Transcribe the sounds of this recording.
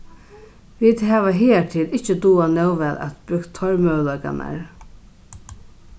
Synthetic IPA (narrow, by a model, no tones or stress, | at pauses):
ʋiːd̪ɦæːʋaɦiːtʰɪlɪht͡ʃəd̪uːanœwʋɛːlæ̰t̪bʏkt̪ʰːɔɹmœwlœka̰na̰ɹ